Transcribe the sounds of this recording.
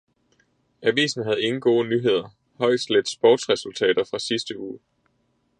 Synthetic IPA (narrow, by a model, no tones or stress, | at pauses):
ʔæʋḭːsn̩ɦæð̞̩ˠe̝ŋŋ̩n̩ɡ̥o̝ːnyɦe̝ð̞ˠɐ | hɒ̽ɪ̰d̥sled̥sb̥ɒːd̥sʁɛsult͡sʰɛ̰ːd̥ɐfʁɑ̈sisd̥əuː